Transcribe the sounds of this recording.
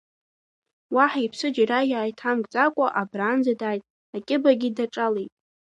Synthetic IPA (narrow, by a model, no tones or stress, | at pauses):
waħipʰsɨd͡ʒrajaːjtʰamkʼt͡sʼakʷʼaʔabraːnd͡zadaːjtʼ | akʲʼɪbaɡʲɪdaʈ͡ʂʼalejtʼ